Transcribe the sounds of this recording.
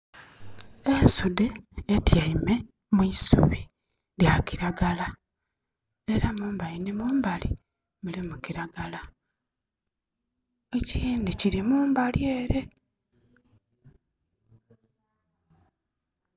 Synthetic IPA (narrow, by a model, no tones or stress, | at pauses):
esudeːtjaime̞ | muisṵβi | ɾjakiɾaɡala | e̞ɾamuːmbajinimuːmbalḭ | mulimukiɾaɡala | eciːndiciɾimuːmbalje̞ːɾe̞